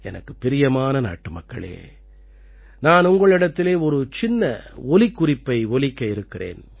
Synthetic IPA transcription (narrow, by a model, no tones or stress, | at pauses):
ɛnɐkːɯpːɪɾɪjɐmaːnɐna̰ːʈːɯmɐkːɐ̰ɭḛː | naːnʊŋɡɐɭɪɽɐt̪ːɪleːɔɾɯt͡ʃɪnːɐɔlɪkːʊrɪpːɐɪɔlɪkːɐɪɾɯkːɪrḛːn